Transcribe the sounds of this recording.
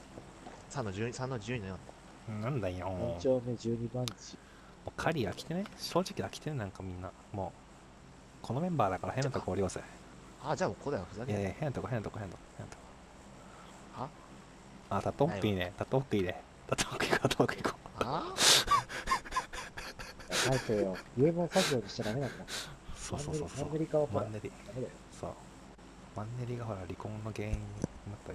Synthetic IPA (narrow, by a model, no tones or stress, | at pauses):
sanːod͡ʑɨːɲsãnːod͡ʑɨːɲinɲiã | nãnd̪aĩõt͡ɕoːned͡ʑɨːɲibãɲt͡ɕi | moːkʰaɾʲiɡakʲi̥t̪eneɕo̞ːʑikʲiakʲi̥t̪enenãŋkamʲĩnːa | mo̞ː | kʰo̞no̞mʲẽ̞mbaːd̪akaɾahẽ̞nːat̪okoːɾʲiose | ad͡ʑaːmoːkʰod̪ajaɸɯzaaehẽnat̪okoɦenːat̪okohenat̪oko̥hẽnːat̪oko | ha | aːt̪at̪ːomot̪ːoiːnet̪at̪ːomot̪ːoiːne | t̪at̪ːomakɯikot̪at̪oakɯiko | aait̪oːjoiemõsaʑioːɲiɕi̥t̪ad̪amenãnd̪asoːsosoːsoeɾʲikaβaomãnːeɾʲid̪amed̪ajoso̰ː | mãnːeɾʲiɡaɦo̞ɾaɾʲikõnːo̞ɡe̞ːĩɲ̟ːimɯt̪ːo